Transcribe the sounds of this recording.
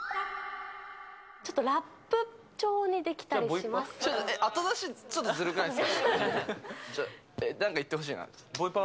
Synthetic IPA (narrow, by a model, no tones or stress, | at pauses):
t͡ɕo̞t̪ːoɾapːɯ̟ | t͡ɕo̞ːɲ̟id̪e̞kʲi̥t̪aɾʲiimasot̪ːoeʔat̪od̪aɕit͡ɕo̞t̪ːzɨɾɯkɯnais | t͡ɕa | enãŋkait̪ːe̞ho̞ɕ̬iːna̰d̪esboipa